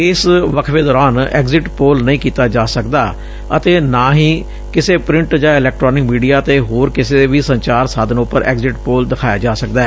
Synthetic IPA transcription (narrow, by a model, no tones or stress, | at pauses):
ɪsʋəkʰʋeːd̪ɔːɾaːnɛ̰ːɡzɪʈpoːlnəĩːkiːt̪aːd͡ʒaːsəkd̪aː | ət̪eːnãːɦiː | kɪseːpɾɪ̃ɳʈd͡ʒãːɪlɛːk̚ʈɾɔːnɪkmiːɖijaːt̪eːɦoːɾkɪseʋiːsəɲt͡ʃaːɾsaːd̪ənʊpəɾɛ̰ːɡzɪʈpoːld̪ɪkʰaːjaːd͡ʒaːsək̚d̪aɛː